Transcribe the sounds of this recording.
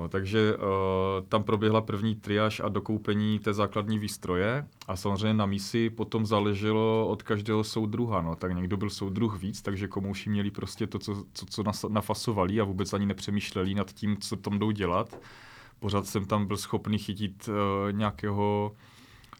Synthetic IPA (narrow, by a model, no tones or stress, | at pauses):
not̪aɡʒɛ | t̪ampɾo̞bjɛɦlapr̩vɲiːt̪ɾɪaːʃa̰do̞kowpɛɲiːt̪ɛːzaːkladɲiːviːst̪ɾo̞jɛ | ʔasamozr̝ɛjɲɛnamiːsɪpo̞t̪o̞mzaːlɛʒɛlo̞ot̪kaʒdɛːɦo̞sowd̪ɾuɦano̞t̪akɲɛɡdo̞bɪlsowd̪d̪ɾuxviːt͡st̪aɡʒɛkomowʃɪmɲɛlɪpɾo̞scɛt̪o̞t͡sot͡sot͡sonanafasovalɪavuːbɛt͡sʔaɲɪnɛpr̝̥ɛmiːʃlɛlɪnat̪ciːmt͡sot̪amdo̞wɟɛlat̪ | po̞ɾ̝aːt̪sɛmt̪ambɪlsxo̞pnixɪcɪt̪ːɲɛakɛːɦo̞